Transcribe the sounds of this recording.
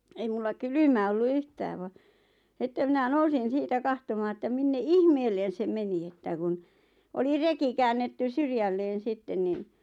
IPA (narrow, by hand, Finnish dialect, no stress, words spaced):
ei mulːɑ kylymæ olːu yhtæːʋ ʋɑ sĭtːe minæ nousin siːtæ kɑhtomɑː etːæ minːe ihmeːlˑen se meni etːæ kun oli reki kæːnːetːys syrjælːeːn̞ sitːen niːn